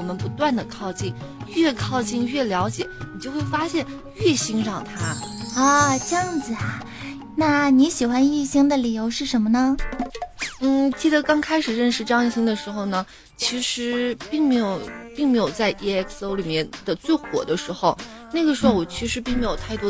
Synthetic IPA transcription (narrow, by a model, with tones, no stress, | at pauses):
ɔ˨˩mə˦npu˧˥t̪wa˥˩nd̪ə˩kʰɑ˥˧ʊt͡ɕi˥˩ŋɥɛ˥˧kʰɑ˥˧ʊt͡ɕi˥˧ŋɥɛ˥˩ljɑ˧˥ʊt͡ɕjɛ˨˩˦ni˨˩t͡ɕjo˥˧ʊxwe˥˩ɪfa˥ɕjɛ˥˧n | ɥɛ˥˩ɕi˥ŋɻɑ˥˩ŋt̪ʰa˥ə˥˧ʈ͡ʂɤ˥˧jɑ˥˩ŋd͡zɹ̩˩a˩ | na˥˩ni˧˥ɕi˨˩xwa˥ni˥˩ɕi˥ŋd̪ə˨li˨˩jo˧˥ʊʂɻ̩˥˩ʂə˧˥nmə˧nə˧ | n̩˥˩t͡ɕi˥˩d̪ə˩kɑ˥ŋkʰa˥ɪʂɻ̩˨˩ɻə˥˩nʂɻ̩˥˧ʈ͡ʂɤ˥˧jŋi˥˧˩ɕi˥ŋd̪ə˨ʂɻ̩˧˥xo˧ʊnə˩ | t͡ɕʰi˧˥ʂɻ̩˧˥pi˥˩ŋme˧˥ɪjo˨˩ʊpi˥˩ŋme˧˥ɪjo˨˩ʊt͡sa˥˧ɪʔi˥ɛ˥kʰso˥ʊli˨˩mjɛ˥˩nd̪̥ə˨t͡swe˥˩ɪxwɔ̰˨˩d̪ə˦ʂɻ̩˧˥xo˧ʊ | na˥˩ɡə˩ʂɻ̩˧˥xo˥˩wɔ˨˩t͡ɕʰi˧˥ʂɻ̩˧˥p̬i˥˩ŋme˥ɪjʊt̪ʰa˥˩ɪt̪wɔ˥